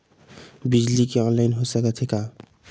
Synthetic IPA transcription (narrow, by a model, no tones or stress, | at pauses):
bid͡ʒlikeɔnlajnɦosakat̪ʰika